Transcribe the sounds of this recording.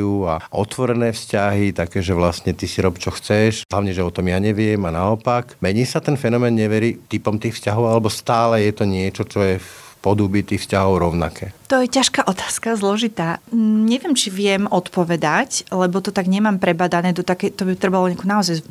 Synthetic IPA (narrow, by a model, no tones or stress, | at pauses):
ua̰ʔɔ̰t̪ʋɔɾɛnɛːfscaɦit̪akɛːʒɛʋlastɲɛt̪isiɾɔpt͡ʃɔxt͡sɛʃɦlaʊɲɛʒɛɔt̪ɔmjaɲɛʋɪɛmanaɔpakmɛɲiːsat̪ɛnfɛnɔmɛːnɲɛʋɛɾit̪ipɔmt̪iːxfscaɦɔʊalɛbɔst̪aːlɛjɛt̪ɔɲɪɛt͡ʃɔt͡ʃɔjɛfpɔd̪ubit̪iːxfscaɦɔʊɾɔʊna̰kɛːt̪ɔjɛcaʃkaʔɔt̪ḁːskazlɔʒit̪aːɲɛʋɪɛmt͡ʃiʋɪɛmɔt̪pɔʋɛd̪aclɛbɔt̪ɔt̪aɡɲɛmaːmpɾɛbad̪anɛːd̪ɔt̪akɛjt̪ɔbit̪ɾɛbalɔɲɪakunaɔzaj